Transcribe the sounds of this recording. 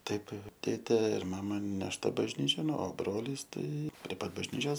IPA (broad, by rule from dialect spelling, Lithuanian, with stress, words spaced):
ˈtɐɪp ˈtʲeːtʲeː ɪr ˈmɑːmɐ nʲɛʃˈtɐ bɐʒʲˈnʲiːt͡ʃʲoːn oː ˈbroːlʲiːs ˈtɐɪ pʲrʲiɛ ˈpɐt bɐʒʲˈnʲiːt͡ʃʲoːs